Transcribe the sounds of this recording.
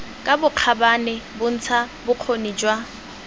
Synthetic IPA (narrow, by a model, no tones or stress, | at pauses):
kʼabʊq͡χʰabanɪbʊn̩t͡sʰabʊq͡χʰonid͡ʒwa